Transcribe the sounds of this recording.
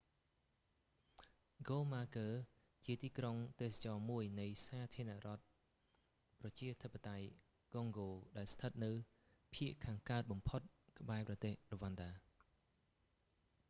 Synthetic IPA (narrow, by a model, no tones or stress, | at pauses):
ɡoːmaːkəː | t͡ɕiət̪iːkroŋt̪eːsḁt͡ɕɑːmuəjnɨjsaːt̪ʰiənaʔrŏət̪̚ | prɑt͡ɕiət̪ʰəpːət̪aj | ɡ̥oŋɡoːɗaɛlst̪ʰət̪̚nɨw | pʰiəʔkʰaːŋkaət̪̚ɓɑmpʰot̪̚kə̆ɓaɛprɑt̪eːhroʋanɗaː